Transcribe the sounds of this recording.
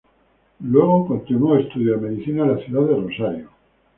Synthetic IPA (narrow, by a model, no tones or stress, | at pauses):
lwe̞ɣokont̪inuoest̪uðjame̞ðiθinalaθjuðaðeronsajo